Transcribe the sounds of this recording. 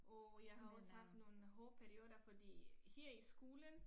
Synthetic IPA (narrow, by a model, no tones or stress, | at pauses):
ʔɒ̽jɑ̈ɪɦɑ̈ɒ̽shɑ̈fd̥no̝ːn̩ɦɔːpʰæɐio̝dɐfɒ̽d̥ḭːhɛɐ̰isɡ̥oːlən